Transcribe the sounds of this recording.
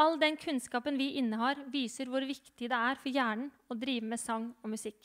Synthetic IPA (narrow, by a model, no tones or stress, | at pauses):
ɑlːd̪ɛnkʰʉnskɑːpənʋɪʔɪnːəhɑːɾʋiːsəɾʋʊɾʋɪkt̪ɪd̪ɛæɾfɔɾjæːɳəɳ̩ | ɔd̪ɾiːʋəmeːsɔŋɔmʉsɪkː